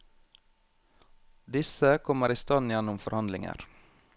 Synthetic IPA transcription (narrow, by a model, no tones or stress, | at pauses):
d̪ɪsəkʰɔməɾiːst̪ɑːnjɛnʊmfɔɾhɑnd̪lɪŋə̰ɾ